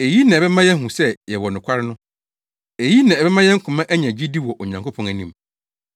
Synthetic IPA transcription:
e˨ji˦nã˨ɛ˨bɛ˦mã˦jɛ˦ɦũ˨sɛ˦jɛ˨wɔ˨nʊ̃˨kʷʰa˦ɾɪ˦nʊ̃˦ | e˨ji˦nã˨ɛ˨bɛ˦mã˦jɛ˦ŋ̩˦kʰʊ˨mã˦ʔæ˦ɲã˨d͡ʑi˦di˦wɔ˨ʔo˨ɲã˨ŋko˦pʰɔ̃˨ŋæ˨nĩ˦m

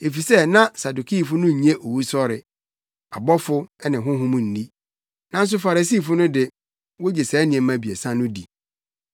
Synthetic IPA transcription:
e˨fi˨sɛ˦˨nã˦sa˨du˨kʰi˦˨fʊ˦nʊ̃˦ɲ̩˨ɲẽ˦ʔo˨wu˦sɔ˦ɾɪ˨ | a˨bɔ˦fʊ˦ɛ˦nɪ̃˨ɦʊ̃˦ɦʊ̃˦mʊ̃˨n̩˨di˦ | nã˦n̩˦s̬ʊ˦fa˨ɾa˨siː˦˨fʊ˦nʊ̃˦dɪ˨ | wo˦d͡ʑe˨sɛː˨˦nɪ̃˨ɛ̃˨mã˨bi˨ɛ̰˨sã˦nʊ̃˦dḭ˨

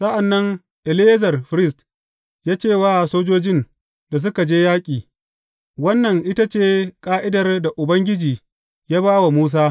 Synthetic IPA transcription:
sɐ˦ʔa˨nːɐ˦ŋ | ʔɛ˨lɪ˦zɐ˨rɸɾɪ˦st | jaː˦t͡ʃeː˦˨waː˦˨soː˦d͡ʒoː˦d͡ʒɪ˦n | da˨s̬ʊ˦ka˨d͡ʒeː˦jaː˦kʲʼiː˨ | wɐ˦nːɐ˨ŋʔɪ˦ta˦t͡ʃeː˦kʼaː˦ʔɪ˦dɐ˨rda˨ʔʊ˨bɐ˦ŋɡʲɪ˦d͡ʒiː˨ | jaː˦baː˦wa˨muː˦s̬aː˦

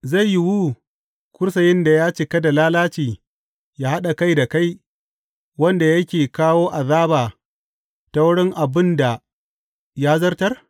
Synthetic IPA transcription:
za˦˨jːi˦wu˦ | kʷʊ˦ɾs̬ɐ˨jɪ˦nda˨jaː˦t͡ʃɪ˨kɐ˦da˨laː˦laː˦t͡ʃiː˨ | jaː˦ha˦ɗa˨ka˦jda˨ka˦j | wɐ˦nda˨jɐ˦kʲeː˨kaː˦woː˦ʔa˨ðaː˦baː˨ | ta˦wʊ˦ɽɪ˦ŋʔa˨bɪ˦nda˨ | jaː˦zɐ˦rtɐ˦r

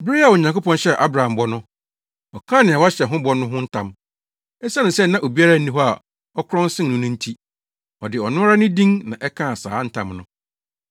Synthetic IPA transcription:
bɪ˦ɾi˦a˨wɔ˨ɲã˨ŋko˦pɔ̃˦nɕɛ˦˨ʔa˦bɾa˨ã˨mbɔ˦nʊ̃˦ | ɔ˨kʰã˦˨nɪ̃˨a˨wa˦ɕɛ˨ɦʊ̃˦bɔ˦nʊ̃˦ɦʊ̃˦n̩˦tʰã˦m | ɛ˦sa˦nʊ̃˨sɛ˦nã˦ʔo˨bi˦a˦ɾa˦˨n̩˦nĩ˦ɦɔ˦a̰˨ | ɔ˦kʰʊ˦ɾɔ̃˦n˦sɪ̃˦˨nʊ̃˦nʊ̃˦n̩˦tʰi˦ | ɔ˨dɪ˨ɔ˨nʊ̃˦ɾa˦nʊ̃˦dĩ˦ŋnã˨ʔɛ˦kʰã˦˨sa̰ː˨˦n̩˦tʰã˦mnʊ̰̃˦

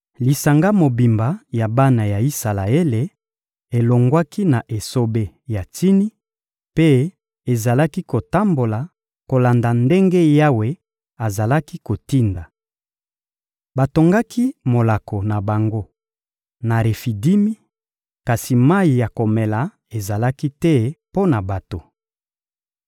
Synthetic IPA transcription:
li˨sa˨ŋɡa˦mo˨bi˨mba˨ja˨ba˦na˨ja˨i˦sa˨la˨e˦le˨ | e˨lo˨ŋɡwa˦ki˦na˨ʔe˨so˦be˦ja˨ti˦ni˦ | pe˦ | e˨za˨la˦ki˦ko˨ta˦mbo˨la˨ | ko˨la˨nda˨nde˦ŋɡe˦ja˦we˨ | a˨za˨la˦ki˦ko˨ti˦nda˨ | ba˨to˨ŋɡa˦kʰi˦mo˨la˨ko˨na˨ba˨ŋɡo˦ | na˨ɾe˨fi˨di˦mi˦ | ka˨si˨ma˦i˨ja˨ko˨mɛ˨la˨ | e˨za˨la˦ki˦tɛ˦po˦na˨ba˨to˨

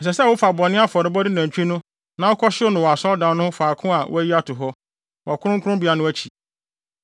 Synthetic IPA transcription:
ɛ˨s̬ɛ˨sɛ˦˨wʊ˦fa˨bɔ˨nːɪ̃˦a˦fɔ˨ɾɪ˨bɔ˦dɪ˦næ̃˨t͡ɕᶣi˦nʊ̃˦ | nã˨˦wʊ˦kʰɔ˦ɕɪ˦ʊ˦nʊ̃˨wɔ˨a˨sɔ˦ldã˨n˦nːʊ̃˦hʊ˦faː˨kʰʊ̃˦a˨wʔʊ̰˦æ˦ji˦a˦tʰʊ˨ɦɔ˦ | wɔ˨a˨kʰʊ̃˦ɾʊ̃˦ŋ˦kʰʊ˦ɾʊ̃˦mbi˨˦a˨nʊ̃˦æ˦t͡ɕʰi̥˨

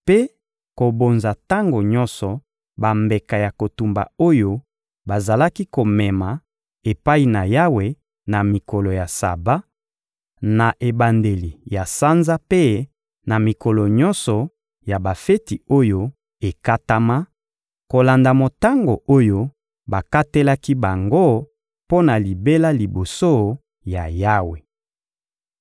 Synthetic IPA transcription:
pe˦ | ko˨bo˨nza˨ta˦ŋɡo˨ɲɔ˦nsɔ˨ | ba˨mbe˨ka˨ja˨ko˨tu˨mba̰˨o˦jo˦ | ba˨za˨la˦ki˦ko˨mɛ˨ma˨ | e˨pa˦i˨na˨ja˦we˨ | na˨mi˨kɔ˨lɔ˨ja˨sa̰˨ba˦ | na˨ʔe˨ba˨nde˨li˨ja˨sa˦nza˦pe˦ | na˨mi˨kɔ˨lɔ˨ɲɔ˦nsɔ˨ | ja˨ba˨fe˦ti˨o˦jo˦ | e˨ka˦ta˦ma˦ | ko˨la˨nda˨mo˨ta˦ŋɡo˨o˦jo˦ | ba˨ka˦te˦la˦ki˦ba˨ŋɡo˦ | po˦na˨li˨be˦la˦li˨bo˨so˦ | ja̰˨ja˦we˨

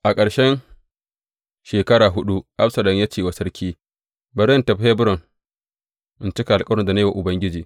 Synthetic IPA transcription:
ʔa˨kʼɐ˨ɽʃɛ˦n | ʃeː˨kɐ˦ɽaː˨ɦʊ˦ɗu˦ʔa˦ɸsɐ˨lɔ˨ŋja˦t͡ʃeː˨wa˨sɐ˦ɾkʲiː˦ | bɐ˨ɾɛ˦ntɐ˨ɸe˦bʊ˦ɾɔ˨ŋ | ʔɪ˦nt͡ʃɪ˦ka˨ʔa˨lkʼɐ˦ɽɔ˦nda˨na˦jwa˨ʔʊ˨bɐ˦ŋɡʲɪ˦d͡ʒiː˨

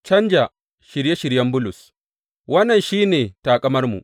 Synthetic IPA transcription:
t͡ʃɐ˦nd͡ʒa˨ | ʃɪ˨ɾje˦ʃɪ˨ɽjɐ˦mbʊ˦lʊ˨s | wɐ˦nːɐ˨nʃiː˦neː˨taː˨kʼɐ˦mɐ˦rmṵ˨ʔ

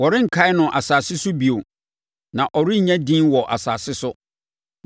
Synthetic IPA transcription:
wɔ˨ɾɪ̃˦ŋ̩˨kʰa˦ɪ˦nʊ̃˨ʔa˨saː˨sɪ˦sʊ˦bi˨o˨ | nã˨ʔɔ˨ɾɪ˦˨ɲã˦dĩː˦nwɔ˨ʔa̰˨saː˨sɪ˦sʊ˦

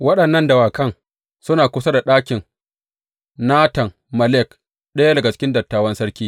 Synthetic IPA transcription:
wɐ˦ɗɐ˨nːɐ˦ndɐ˨waː˨kɐ˦ŋ | sʊ˦naː˨kʷʊ˦sɐ˦da˨ɗaː˦kʲɪ˨ŋ | naː˦tɐ˨ŋ | mɐ˨lɛ˦˨k | ɗɐ˦ja˦dɐ˨ɡa˨t͡ʃɪ̥˦kʲɪ˦ndɐ˨tːaː˨wɐ˦nsɐ˦ɽkʲiː˦

